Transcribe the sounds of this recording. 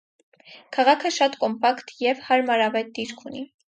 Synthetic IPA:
kʰɑʁɑkʰəʃɑt̪kɔmpɑkt̪jɛvhɑɾmɑɾɑvɛt̪̚d̪iɾkʰuni

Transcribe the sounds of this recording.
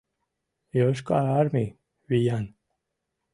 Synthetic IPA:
joʃ̬ka̰ɾaɾmi | vijan

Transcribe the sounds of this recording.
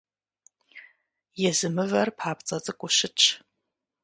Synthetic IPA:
jɛzɨmɨvɐrpʰħaːpt͡sʼɐt͡sʼɨkʷʼʊʃɪt͡ʃʰ

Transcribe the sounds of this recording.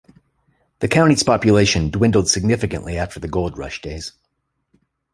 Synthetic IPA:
ðɨkʰãʊ̃ɾ̃iz̥pɑpjɨleɪʃɨ̃ndwɪ̃ndˡl̩ˠd̥sɨɡ̚nɪfɨkɨ̰̃nʔliæftʰə˞ðɨɡoʊlˠd̚ɹʌ̰ʃd̥eɪz̥

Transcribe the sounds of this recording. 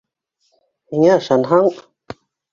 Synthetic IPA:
hiŋæɑʃɑnɦɑɴ

